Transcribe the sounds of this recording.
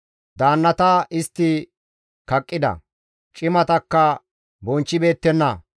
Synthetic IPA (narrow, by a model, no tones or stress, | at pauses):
d̪aːnːɐt̪ɐʔɪst̪ːɪ | kɐkʼːɪd̪ɐ̰ | t͡ʃʼɪmɐt̪ɐkːɐ | bɔnt͡ʃːɪbe̞ːt̪ːɛnːɐ